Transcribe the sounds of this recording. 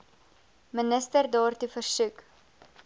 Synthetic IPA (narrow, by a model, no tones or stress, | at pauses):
mənəstərdɑːrtufərsʉk